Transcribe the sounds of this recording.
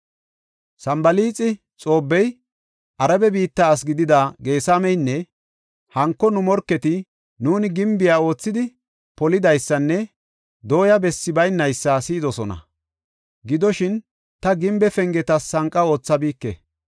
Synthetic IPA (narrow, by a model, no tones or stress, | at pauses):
sɐmbɐliːt͡sʼːɪ | t͡sʼo̞ːbːɛj | ʔɐɾɐbɛbiːt̪ːɐːs̬ɡɪd̪ɪd̪ɐɡe̞ːsamɛjnːɛ | hɐŋkːɔnʊmɔɾkːɛt̪ɪ | nuːnɪɡɪmbɪjaːo̞ːt͡sːɪd̪ɪ | pɔlɪd̪ɐjsːɐnːɛ | d̪o̞ːjɐbɛsːɪbɐjnːɐjsːɐsiːd̪ɔsɔnɐ̰ | ɡɪd̪ɔʃɪn | t̪ɐɡɪmbɛfɛŋɡɛt̪ɐsːɐŋkʼːɐo̞ːt͡sːɐbiːkːɛ